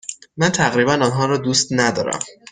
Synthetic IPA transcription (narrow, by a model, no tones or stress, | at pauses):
mænt̪ʰæɣɾiːbænɒnɦɒːɾɒːd̪uːst̪næd̪ɒ̰ːɾæ̰m